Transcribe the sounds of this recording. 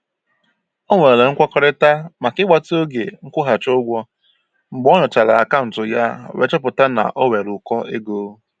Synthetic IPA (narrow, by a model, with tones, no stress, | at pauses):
ɔ˦ŋe˨e˨ŋ̩˦kʷa˦kɔ˦ɾɪ˦ta˦ma˨kɪ˦ɡ͡ba˨to˦ɡe˨ŋ̩˦kʷʊ˦ɦa˨t͡ʃʊ˦ɡʷɔ˦ | ŋ͡m̩˨ɡ͡bɔ˦nʊ˨t͡ʃa˨la˨a̰˨ka˦ʊ˨n̩˨tʊ˨ja˦˨we˦t͡ʃɔ˦pʊ˨ta˦na̰˨ʔɔ˦we˨ɾʊ˨kɔ˦ʔe˦ɡo˨˦